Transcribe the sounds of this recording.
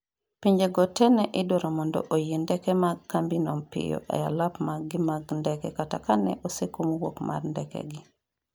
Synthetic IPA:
piɲd͡ʒeɡɔtɛnɛʔɪdoɾɔmɔndɔ̰ʔojendɛkɛmaɡkːambinɔmpɪ̰jɔ̰ʔɛ̰ja̰lapmaɡɪmaɡndɛkɛkata̰kanɛ̰ʔosekomwo̰kmʔa̰rndɛkɛ̰ɡɪ

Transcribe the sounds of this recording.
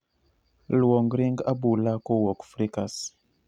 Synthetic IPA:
lwɔŋɡɾiŋɡabulakowɔkfɾikas

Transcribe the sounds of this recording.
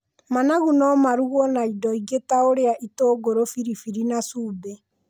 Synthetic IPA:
manaɣunɔmaɾuɣɔnaidɔiɣetaoɾeaʔitoɡoɾofiɾifiɾinasuːbɛ

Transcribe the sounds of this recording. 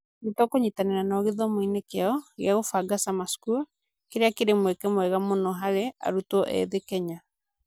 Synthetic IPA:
nitɔkoɲitaneɾanɔɣeðɔmoinekeaɔɣjaɣofaɡasamasku | keɾeakeɾemwɛkɛmwɛɣamonɔɦaɾea̰ɾutɔʔɛ̰ðekɛɲa

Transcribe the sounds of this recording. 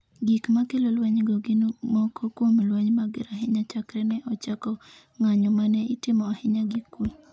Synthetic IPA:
ɡikmakelolwaɲɡoɡɪnmɔkɔkwomlwaɲmaɡɪɾaɦɪɲat͡ʃakɾɛnɛʔɔt͡ʃakɔ | ŋaɲɔmanɛitɪmɔahɪɲaɡikːu

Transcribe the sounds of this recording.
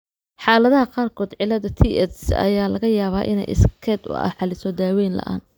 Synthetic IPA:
ħɑːlɐðɐɦɐqɑːrkʰɔːd̪ʕɪlːɐðɐt̪ʰiʔɛsɐ̰jaːlɐɣɐjaːβaːʔɪ̰nɛ̰jʔɪ̰skʰɛd̪ʊ̰ɐ̰ħɑlɪsɔd̪aːwɛːnlɐ̰ʔa̰ːn

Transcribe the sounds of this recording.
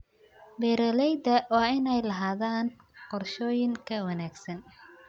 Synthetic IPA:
bɛːɾɐlɛjd̪ɐwɑːɪnɛjlɐɦaːðaːn | qɔrʃɔːjɪŋkʰɐwɐnaːɡsɐn

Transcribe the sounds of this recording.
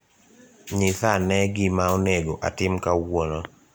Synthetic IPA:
ɲiθanɛɡɪmaoneɡoʔa̰tɪmkawono

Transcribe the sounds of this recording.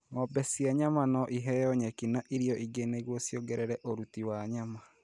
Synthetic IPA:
ŋɔbɛsiɛɲamanɔʔiɦɛjɔɲɛkinaʔiɾiɔʔiɡeneɣwɔsjoɡɛɾɛɾɛʔoɾutiwaɲama

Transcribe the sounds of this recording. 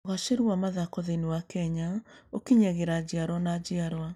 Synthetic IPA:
oɣaʃeɾuwamaðakɔðeniwakɛɲaokiɲɛɣeɾad͡ʑiaɾwɔnad͡ʑiaɾwa

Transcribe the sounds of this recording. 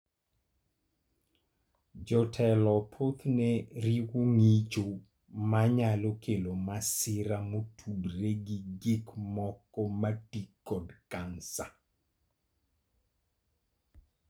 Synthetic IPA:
d͡ʒɔtʰɛlɔpʰot̪nɛɾiwuŋit͡ʃo | maɲalokʰelomasɪɾamotʰudreɡiɡikmɔkɔmatikːɔdkansa

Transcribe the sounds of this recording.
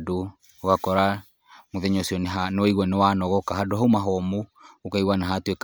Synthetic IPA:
du | hukakɔɾa | muðɛɲɔsiɔnɛɦaniɣanɛwanɔɣɔkaɦadɔɦaumaɦɔmuukaiwanaɦat̪uɛk

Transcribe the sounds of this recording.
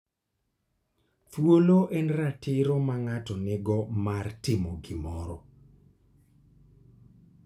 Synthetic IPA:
twoloʔɛnratɪɾɔmaŋatɔnɪɡɔmartɪmoɡɪmɔɾɔ

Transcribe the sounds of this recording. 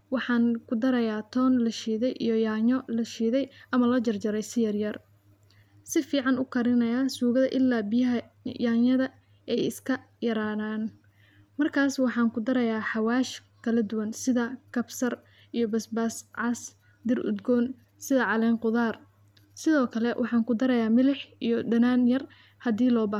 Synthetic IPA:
wɑħɑːŋkʰʊd̪ɐɾɐjaːt̪ʰɔːnlɐʃiːðɛjʔḭjɔjaːɲɔlɐʃiːðɛjʔɐmɐlɐt͡ʃɐrd͡ʒɐɾɛjsɪjɐrjɐr | sɪfiːʕɑnʊkʰɐɾɪnɐjaːsuːɣɐðɐʔɪlːaːbɪjɐɦɐ | jaːɲɐðɐ | ɛjɪskʰɐ | jɐɾaːðaːn | mɐrkʰaːswɑħɑːŋkʰʊd̪ɐɾɐjaːħɑwaːʃ | kʰɐlɐd̪ʊwɐnsɪðɐkʰɐbsɐr | ʔijɔbɐsbaːsʕɑs | d̪ɪrʊ̰d̪ɡɔːn | sɪðɐʕɑlɛːŋqʊðaːr | sɪðɔːkʰɐlɛwʔɑħɑːŋkʊd̪ɐɾɐjaːmɪlɪħʔijɔɖɐnaːnjɐr | hɐd̪iːlɔːbaː

